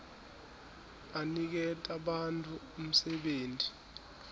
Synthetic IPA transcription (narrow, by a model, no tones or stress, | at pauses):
anik̬ɛtʼaɓantʼuːm̩sɛɓeːntʰʼi